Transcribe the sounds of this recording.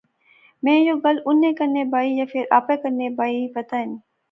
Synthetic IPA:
mẽːjoːɡɐlʊnːẽːkɐɾnebaːijaːfɪɾa̰ːpeːkɐɾnebaːipɐt̪aɦɪn

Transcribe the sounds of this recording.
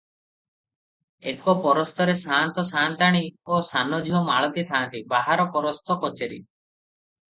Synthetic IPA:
ekɔpɔɾɔst̪ɔɾesant̪ɔsant̪aɽ̃iosanɔd͡ʒʱiɦɔmaɭɔt̪it̪ʰant̪ibaɦaɾɔpɔɾɔst̪ɔkɔt͡ʃeɾḭ

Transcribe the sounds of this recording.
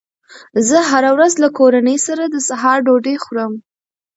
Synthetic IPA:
zəɦaɾawɾazlakoɾanəjsaɾad̪əsaɦɑɾɖoɖexuɾəm

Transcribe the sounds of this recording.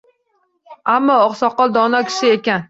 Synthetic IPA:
amːɒːχsɒqːɑlˠd̪ɒnɑkʲʰi̥ʃɪekʲan

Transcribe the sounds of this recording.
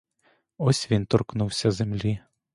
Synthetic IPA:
ɔsʲʋʲint̪ɔrknuwsʲɐzemlʲi

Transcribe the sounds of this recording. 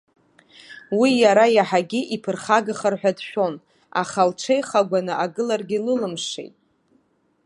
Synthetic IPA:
wijaɾajaħaɡʲiʔipʰɨrχaɡɨχarħʷᶣadʃᶣo̞n | a̰χalʈ͡ʂʰejχaɡʷanɨʔaɡɨlarɡʲilɨlɨmʂḛjtʼ

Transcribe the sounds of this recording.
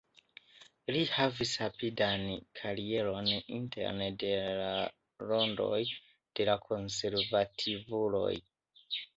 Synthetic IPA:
lihavishapidankʰaɾie̞ɾo̞nḭnte̞̰ɾnede̞la | lo̞ndo̞̰j | d̥e̞lakʰo̞nse̞ɾvatʰivulo̞̰j

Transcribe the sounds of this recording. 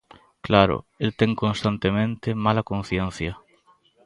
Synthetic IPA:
klaɾʊ̰elt̪ɛŋkonst̪ant̪emẽnt̪ɪmalakon̟θjen̟θjɐ

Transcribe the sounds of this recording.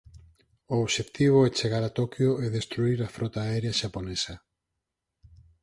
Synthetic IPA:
oːβʃekt̪iβ̞oɛt͡ʃeɣaɾat̪okjoɛðest̪ɾuiɾafɾʔɔt̪aːɛɾeaʃaponesɐ

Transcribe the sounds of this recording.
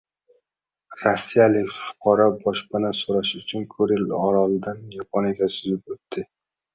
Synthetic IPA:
ɾasːijalɪkʲfʊ̥qʰɒɾɒbɒʃbanasoɾaʃʊt͡ʃʰʊnkʰɵɾɪlɒɾɒlɪd̪anjɒpʰɒnɪɡʲasʊzɪp̚ɵt̪ːɪ

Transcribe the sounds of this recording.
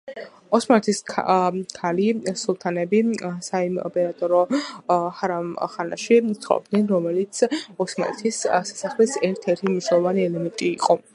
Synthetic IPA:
ɔsmanɛt̪ʰisʰ | kʰalisulˠt̪ʰanɛbisaimɔ̰pʼɛɾat̪ʼɔɾɔ | haɾamχana̰ʃisʰχɔ̰ɔ̰bd̪nɛnɾɔmɛlit̪sʰɔsmanɛ̰t̪ʰissḁsaχlisɛɾt̪ʰɛɾt̪ʰimniʃwnɛlˠɔvaniɛlɛmɛnt̪ʼiːqʼɔ

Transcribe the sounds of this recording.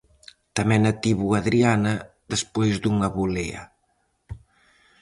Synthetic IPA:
t̪amɛnat̪iβuaðɾianɐ | ðəspojzd̪uŋaβuleɐ̰

